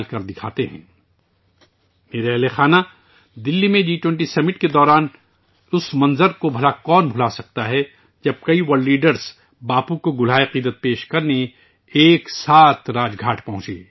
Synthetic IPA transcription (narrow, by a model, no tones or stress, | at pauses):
lkɐɾd̪ɪkʰaːt̪eɦɛ̰̃ː | meːɾeɦlexaːna | d̪ɪlːimẽd͡ʒiːʈwɛ̃ɳʈisɛmɪʈked̪ɔːɾaːn | ʊsmɐ̃nzəɾkobʱɐlakɔːnbʱʊlasɐk̚t̪aɦɛ | d͡ʒɐb̚kɐiwɐɾlːiːɖəɾz | baːpukoɡʊl̤aːiqiːd̪ət̪̚peːʃkɐɾne | eːksaːt̪ʰɾaːd͡ʒɡʱaːʈʰpɐ̃ɦʊ̃t͡ʃḛː